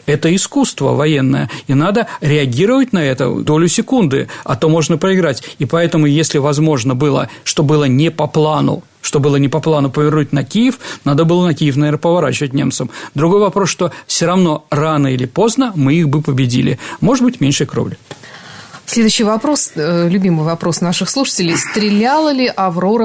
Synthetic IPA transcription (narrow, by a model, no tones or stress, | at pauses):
ɛt̪əɪskust̪və̰vɐjenːə̰jə̰inad̪əɾʲɪɐɡʲiɾəvət̚ʲnɐɛt̪ə̰d̪o̞lʲʊsʲɪkund̪ɨ̰ɐ̰t̪o̞mo̞ʐnəpɾəɪɡɾatʲipɐɛt̪əmʊjesʲlʲɪvɐzmo̞ʐnəbɨlˠə̰ʂt̪o̞bɨlˠənʲɪpɐplˠanʊ̰ | ʂt̪o̞bɨlˠənʲɪpɐplˠanʊpəvʲɪrnutʲnɐkʲijɪfnad̪əbɨlˠənɐkʲijɪfnɐvʲernəpəvɐɾa̰t͡ɕɪvət̚ʲnʲe̞mt̪səmd̪ɾʊɡo̞jvɐpɾosʂt̪o̞fsʲoɾɐvno̞ranəɪlʲɪpo̞znəmɨixbɨpəbʲɪdʲḭlʲɪ̰moʐɨd̪bɨtʲmʲenʲʂɨjkɾovlʲʊ | sʲlʲed̪ʊɕːɪjvɐpɾoslʲʉbʲimɨjvɐpɾo̞snaʂɨxslˠuʂə̥tʲɪlʲɪjst̪ɾʲɪlʲalˠəlʲɪʔɐvɾoɾə